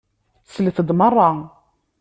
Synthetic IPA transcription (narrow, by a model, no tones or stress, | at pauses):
slθəd̪mərˤːɑ